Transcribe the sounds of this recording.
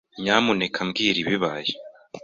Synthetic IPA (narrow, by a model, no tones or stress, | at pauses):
ɲamunekʰamɡiːɾiβiβaje